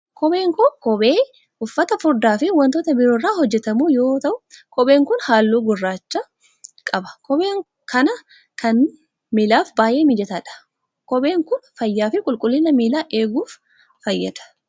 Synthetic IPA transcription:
kɔbe̞ːŋkokɔbeː | ʊfːɐt̪ɐfʊɾd̪aːfɪwɐnt̪oːt̪ɐbɪɾoːrːaːhɔd͡ʒːɛt̪ɐmuːjo̞ːt̪ɐʔʊkɔbeːŋkʊnhaːlːuːɡʊrːaːt͡ʃːɐ | kʼɐbɐ̥kɔbe̞ːŋ | kʰɐnɐ | kɐn | miːlaːfbaːjʔe̞ːmɪd͡ʒɛt̪aᶑɐ̥ | kɔbe̞ːŋkʊnfɐjːaːfɪkʼʊlkʼʊlːɪnɐmiːlaːʔe̞ːɡuːfː | ɐjːɐd̪ɐ̥

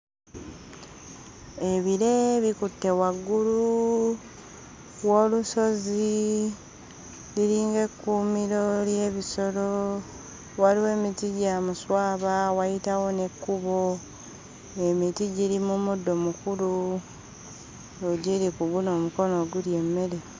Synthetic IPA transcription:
e̞βiɾe̞βikutːe̞waɡːulu | wo̞ːluso̞zi | liɾiːŋɡe̞kːuːmiɾo̞ljeβiso̞lo | waliwe̞ːmitiɟaːmuswaːβawajitawo̞ne̞kːuβo | e̞mitiɟiɾimumudːomukulu | oɟiɾikuɡuno̞ːmuko̞no̞ɡuɾje̞mːe̞ɾe̞

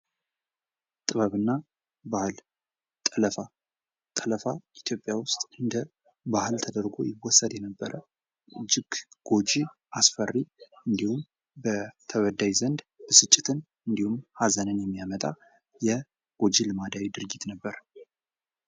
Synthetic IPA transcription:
t̪ʼɨβəβɨnːa | bahɨl | t̪ʼələfa | t̪ʼələfait̪ʰjo̞pʼjawʊst̪ʼɨnd̪ə | bahɨlt̪ʰəd̪əɾɡo̞̰jɪwɔsːəd̪jɛnəbːəɾə | ɨd͡ʒɪɡɡ̥o̞d͡ʒi | ʔasfərːiɨnd̪ihum | bət̪ʰəwəd̪ajzənd̪ | bəsɨt͡ʃʼːɪt̪ʰɨn | ɨnd̪ihumhazənənjɛmːijamət̪ʼa̰ | jɛ | ɡ̥o̞d͡ʒilɨmad̪awid̪ɨɾɡit̪nəbːəɾ

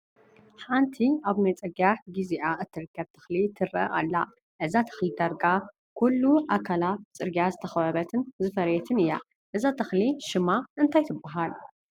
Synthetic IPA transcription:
ħant̪ʰiaβmɐt͡sʼɐɡaɡiziʔaʔɨt̪ʰːɨɾɨkːɐβt̪ʰɐ̥xlit̪ʰɨɾɐ̰ʔa̰lːa̰ | ʔɨzat̪ʰɐ̥xlid̪aɾɡa | kʰulːuʔakʰalat̪t͡sʼɨɾɡijazɨt̪ʰɐxɐβɐβɐt̪ʰɨnzɨfɐɾjɛt̪ʰɨnɨjːa | ʔɨzat̪ʰɐxliʃɨmaʔɨnt̪ʰajt̪ʰɨbːaɦal

